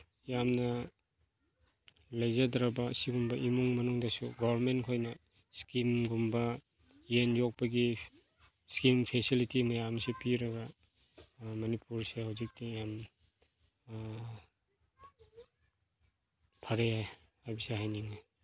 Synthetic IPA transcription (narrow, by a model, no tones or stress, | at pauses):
jamnɐ | lɐjzadɾabɐsiɡumbɐʔimuŋmɐnuŋdɐsuɡabɐɾmenkʰojnɐ | skimɡumbɐ | jenjok̚pɐɡi | skimpʰesilitimɐjamsepiɾɐɡɐ | mɐnipuɾsehawzik̚tijam | pʰaɾeahajbisehajniŋi